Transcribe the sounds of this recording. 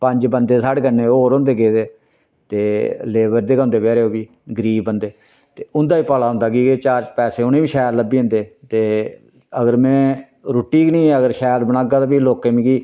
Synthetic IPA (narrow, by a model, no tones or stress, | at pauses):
pə̃ɲd͡ʒbənd̪eːsaːɽɡənːeːoːɾɦõːnd̪eːɡeːd̪eː | t̪eːleːbəɾd̪eːkãːnd̪eːpɛːɾeːoːbiː | ɡəɾiːbənd̪eː | t̪eːʊnd̪aːiːpaːlaːɦʊ̃nd̪aːkiːket͡ʃaːɾd͡ʒpɛːseːʊnẽːʋiːʃɛːɾləbĩːnd̪eːt̪eː | əɡəɾmɛ̃ː | ɾoːʈːiːknĩːɛːəɡəɾʃɛːɾbənaːɡaːt̪aːpiːloːkeːmĩːkiː